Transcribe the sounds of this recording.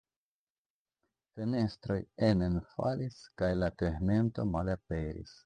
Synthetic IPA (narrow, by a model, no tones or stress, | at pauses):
fe̞ne̞stɾo̞jenenfa̰liskajlatehne̞nto̞malape̞ɾḭs